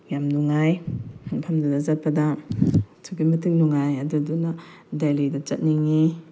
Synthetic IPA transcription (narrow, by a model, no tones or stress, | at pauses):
jamnuŋajŋpʰamdadazat̚pada | tʰuɡimɐtʰɯŋnuŋajaduduna | dalidat͡ʃɐt̚niŋi